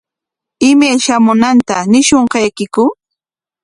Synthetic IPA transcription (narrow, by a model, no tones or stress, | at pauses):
ɪmajʃamʊnant̪anɪʃoɴqɑjkɪkʊ